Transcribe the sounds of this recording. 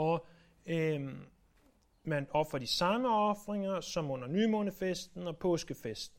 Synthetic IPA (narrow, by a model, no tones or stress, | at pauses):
ɒ | mænɒ̽fʁɐdisɑ̈məɒ̽fʁeŋɐsɒ̽mɔn̰ɐnyːmo̝nəfesd̥n̩ɒ̽pʰɔ̽ːsɡ̥əfesd̥n̩